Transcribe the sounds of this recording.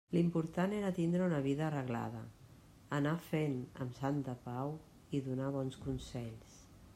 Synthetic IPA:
limpuɾt̪aneɾət̪ind̪ɾəunəβiðəːrəɣla̰ð̞ə̰ | ənafenə̰msant̪əpaw | iðunaβ̞ɔnskunsɛʎs

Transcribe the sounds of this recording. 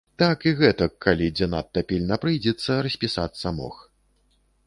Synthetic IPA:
t̪akiɣɛt̪ɐkʰːalʲid͡zʲɛna̰t̪ːɐpʲilʲnɐpɾɨjd͡zʲɛt̪sːɐɾɐsʲpʲisat̪sːɐmɔ̰x

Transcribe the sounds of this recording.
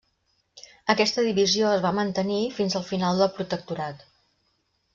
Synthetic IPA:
əkɛst̪əðiβizioəzβamənt̪ənifinzəlˠfinalˠd̪əlˠpɾut̪ək̚t̪uɾat̪

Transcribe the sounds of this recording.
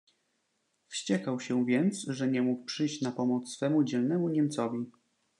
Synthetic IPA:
fɕt͡ɕɛkawɕɛvʲjɛnt̪sʐɛɲɛmuk̚pʂɘjɕt͡ɕnapɔmɔt̪ssfɛmud͡ʑɛlnɛmuɲɛmt̪sɔvʲi

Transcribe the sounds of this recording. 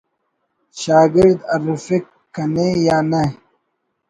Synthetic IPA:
ɕaːɡɪɾd̪ɐɾufikː | ɐnejaːnɐ

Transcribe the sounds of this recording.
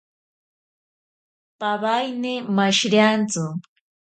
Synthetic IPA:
paβajnɪmaʃɾjant͡sʊ

